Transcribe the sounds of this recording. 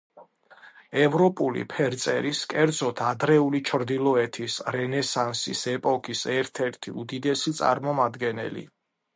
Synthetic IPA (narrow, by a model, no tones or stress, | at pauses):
ɛvɾɔpʼulḭpʰɛɾt̪sʼɛɾiskʼɛɾd̪zɔt̪ʰad̪ɾɛulit͡ʃʰɾd̪ilˠɔɛt̪ʰisɾɛnɛsansḭsɛpʼɔkʼisɛɾt̪ʰɛɾt̪ʰḭud̪id̪ɛsit̪sʼa̰ɾmɔmad̪ɡɛnɛ̰lḭ